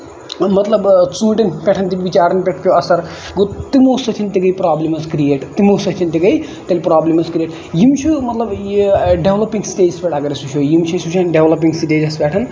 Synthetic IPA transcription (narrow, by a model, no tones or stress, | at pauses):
mɐt̪lɐbt͡sũːʈinpʲeʈʰɐnt̪iʋit͡ʃaːɾɐnpʲeʈʰpʲjoɐsɐɾ | ɡot̪imoːsɐt̪ʰint̪iɡɐjpɾaːblimɐzkɾijeʈt̪imoːsɐt̪ʰint̪iɡɐj | t̪ɐlʲpɾaːblimɐzkɾijeːʈ | jimt͡ʃʰumɐt̪lɐbɖeʋlɐpiŋɡsʈeːd͡ʒispʲeʈʰaɡɐɾisut͡ʃʰujimt͡ʃʰusut͡ʃʰanɖeʋlɐp̬iŋsiʈeːd͡ʒɐspʲeʈʰɐn